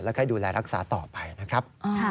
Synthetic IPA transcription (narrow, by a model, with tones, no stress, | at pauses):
lɛː˦˥˩kʰa˥˩jduː˧lɛː˧ɾa˦˥k̚saː˩˦t̪ɔː˨˩pa˧jna˦˥kʰɾa˦˥p̚